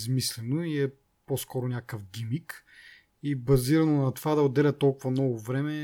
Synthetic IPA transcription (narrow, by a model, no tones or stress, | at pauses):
zmislɛnoiɛ | poskɔɾʊnʲakəfɡʲimik | ibɐziɾɐnonɐt̪ovad̪ɐʊd̪ɛlʲɐt̪ɔlˠkʊvɐnɔvovɾɛmɛ